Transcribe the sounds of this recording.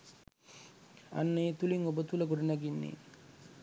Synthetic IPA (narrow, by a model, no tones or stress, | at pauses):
a̰nːəet̪uliŋobət̪uləɡoɖunaɡinːḛː